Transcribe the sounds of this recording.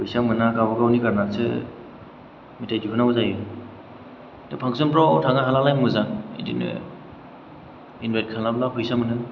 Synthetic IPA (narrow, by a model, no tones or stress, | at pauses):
pʰujsamɯnaɡabɔɡawnikaɾnasɯ̰ | mitajdipʰɯnawzajɯ | tepʰaŋsɔnpɾɔtʰaŋaɦalalajmɯzaŋḛdḭnɯ̰ | inbajt̚kʰanlablaɦʰujsamɯnɯn